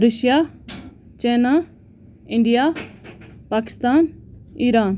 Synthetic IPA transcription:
ɾəʃjaː | t͡ʃeːnaː | ɪɳɖijaː | paːkɪ̥st̪aːniːɾaːn

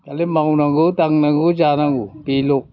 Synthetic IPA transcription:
kalimawnaŋɡut̪aŋnaŋɡud͡ʒanaŋɡupilo

